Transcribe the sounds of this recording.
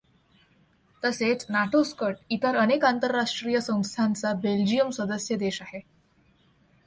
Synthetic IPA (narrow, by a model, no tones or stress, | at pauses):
t̪əset͡snaʈʰoskəʈit̪əɾənekant̪əɾːaʂʈɾijəsə̃w̃st̪ʰant͡sabeld͡ʑijəmswəd̪əsjəd̪eɕaɦe